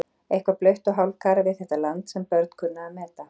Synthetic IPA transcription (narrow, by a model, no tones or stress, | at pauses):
ejhkvaplœɥht̪ɔɦawlkʰaːɾavɪðθɛht̪alant̪sɛmpœɾt̪̚kʰʏnːaamɛːt̪a